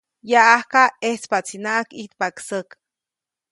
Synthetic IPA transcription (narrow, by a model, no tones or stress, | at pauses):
jaahkaeht͡spat͡sinaʔakit̪paksək